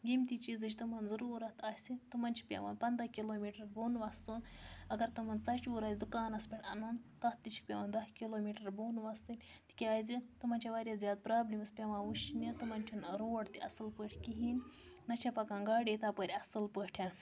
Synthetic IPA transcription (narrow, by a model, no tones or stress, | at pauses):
ɡʲimt̪it͡ʃizɨt͡ʃ̬ʰʲt̪ɨmɐnzɐɾuːɾɐt̪ɐsʲit̪ɨmɐnt͡ʃʰi̥pʲḛʋa̰ːnpɐnd̪ɐkʲiloːmiːʈɐɾboːnʋɐst̪unɐɡɐɾt̪ɨmɐnt͡sɐt͡ʃuɾaːzʲd̪ukaːnɐspʲeʈʰʲɐnɐnt̪ɐt̪ːit͡ʃʰi̥k̚pʲɐʋɐːnd̪ɐskiloːmiːʈɐɾboːnʋɐsɨlʲ | t̪i̥kʲeaːzit̪ɨmɐnt͡ʃʰaʋaːɾjazʲjaːd̪̚pɾaːblimɨspʲɐʋãːʋuʃnʲit̪ɨmɐnʲt͡ʃʰunɾoːɖt̪iɐsɨlpəʈʰʲkiɦinʲ | nɐt͡ʃʰɐpɐkaːŋɡaːɽʲiːt̪aːpəɾʲɐsɨlpəːʈʰʲan